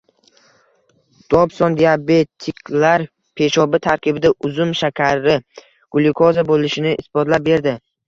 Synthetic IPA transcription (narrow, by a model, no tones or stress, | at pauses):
d̪̥ɒbsɒnd̪iabe̞t̪ʰːɪkʲʰlaɾ | pʰe̞ʃɒbɪt̪ʰaɾkʲɪbɪd̪aʔʊzʊmʃakʲʰaɾɪ | ɡ̥ʊlˠɪkʰozabolɪʃɪnɪʔɪsbɒt̪lap̚be̞ɾd̪ɪ